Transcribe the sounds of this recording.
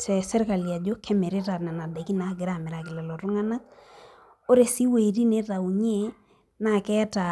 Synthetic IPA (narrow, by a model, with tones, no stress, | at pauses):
tɛ˨sɛ˦ɾka˨lja˨d͡ʒo˦kʰɛ˦mɛ˨ɾe˦ta˨na˨na˨dɛ˨ki˦na˦ɡɪ˨ɾa˦˨mɪ˨ɾa˨kɪ˨lɛ˨lɔ˨tʊ˦ŋa˦na˦k̚ | o˦ɾe˨si˦we˨ɾi˦ne˦ta˨u˨ɲe˦ | na˨kɛ˦ta˨